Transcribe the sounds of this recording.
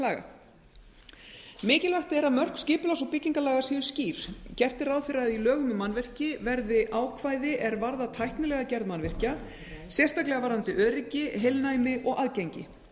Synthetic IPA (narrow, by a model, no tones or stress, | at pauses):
laːɣa̰ | mɪːcɪlvœht̪ɪɛɾaðmœr̥kscɪːpʏlawsɔpɪcːiŋkalaːɣasiːðʏ̥sciːɾ̥cɛr̥t̪ɪɾawðfɪɾaðilœːɣʏmɪmanvɪr̥cɪvɛɾðɪʔaːwkʰvaːjðɪʔɛɾvaɾðat̪ʰajhpnʏlɛɣacɛɾðmanvɪr̥ca | sjɛrst̪aklɛɣavaɾðant̪ɪʔœːɾɪcɪɦejlnajmɪʔɔɣaðcɛjɲcɪ